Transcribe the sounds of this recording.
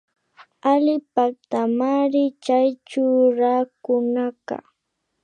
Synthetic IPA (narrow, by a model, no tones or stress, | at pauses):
alɪpak̚t̪amaɾɪt͡ʃajt͡ʃʊɾakʊnaka̰